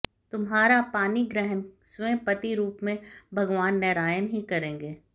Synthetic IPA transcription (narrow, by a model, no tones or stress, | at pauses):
t̪ʊmɦaːɾapaːniɡɾɛɦənsʋẽːpɐt̪iɾuːpmẽbʱɐɡʋaːnːɛːɾaːjənɦikɐɾẽːŋɡeː